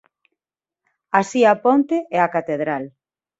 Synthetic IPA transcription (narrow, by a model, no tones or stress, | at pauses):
asiapont̪eʔɛakat̪eðɾal